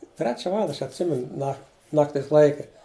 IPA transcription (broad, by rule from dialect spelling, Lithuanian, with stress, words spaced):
ˈtʲrʲæːt͡ʃʲɛ ˈʋɑːlˠɐndɐ ˈɐʃ ɐtʲˈsʲɪmʲɛnʊ ˈnɐ ˈnɑːktʲɪs ˈlˠɐɪkʲɛ